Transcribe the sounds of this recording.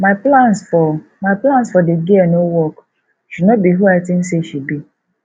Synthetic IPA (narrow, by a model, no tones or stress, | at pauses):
maplãnsfɔ | maɪplãnsfɔdeɡianowɔk | ʃudnɔt̚biɦuatɪ̃n̩seʃid̚bi